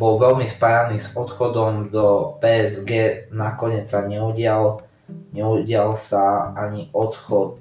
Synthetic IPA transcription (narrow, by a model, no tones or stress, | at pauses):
bɔlʋɛʎmispajaniːzɔt̪xɔd̪ɔmd̪ɔpɛːɛzɡɛːnakɔɲɪɛt͡ssaɲɛuɟɪal | ɲɛuɟɪalsaaɲiʔɔt̪xɔt̪̚